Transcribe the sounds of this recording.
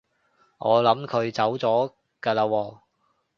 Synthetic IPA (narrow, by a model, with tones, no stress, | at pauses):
ŋʔɔː˨˧lɐ˨˥mkʰɵ˨˧ɥt͡sɐ˨˥wt͡sɔː˨˥ | kɐː˧laː˧wɔː˧